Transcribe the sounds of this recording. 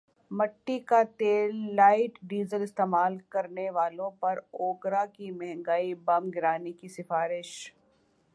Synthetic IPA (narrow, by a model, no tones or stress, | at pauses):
mɐʈːikat̪eːlːaːɪʈɖiːzəlɪst̪eːmaːlkɐɾneʋaːlõpɐɾoːɡɾakimɛɦɛ̃ŋɡaːibɐmɡɪɾaːnikisɪfaːɾɪʃ